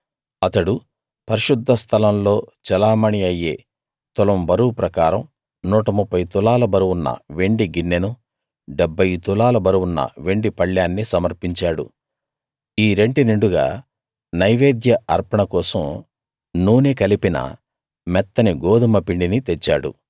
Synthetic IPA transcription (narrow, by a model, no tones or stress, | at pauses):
ɐt̪ɐɽu | pɐɾiʃud̪ʱːɐst̪ʰɐlɐmlo̞ːt͡ʃɛlaːmɐɳiɐjːe̞ː | t̪ulɐmbɐɾupɾɐkaːɾɐm | nuːʈɐmupʰːɐjt̪ulaːlɐbɐɾuwunːɐ̰ʋe̞ɳɖiɡinːenu | ɖebʱːɐjt̪ulaːlɐbɐɾuwunːɐ̰ʋe̞ɳɖipɐɭjaːnːisɐmɐɾpiɲt͡ʃaːɽṵ | iːɾe̞ɳʈiniɳɖuɡa̰ː | nɐjʋeːd̪jɐɐɾpɐɳɐkɔːsɐm | nuːnekɐlipinɐ̰ | mɛt̪ːɐniɡoːd̪umɐpiɳɖinit̪et͡ʃːaːɽṵ